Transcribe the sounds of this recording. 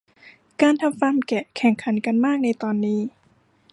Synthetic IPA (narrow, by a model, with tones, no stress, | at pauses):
kaː˧nt̪ʰa˧mfa˧mkɛ˨˩kʰɛ˨˩ŋkʰa˩˦nka˧nmaː˥˩k̚na˧jt̪ɔː˧nːiː˦˥˩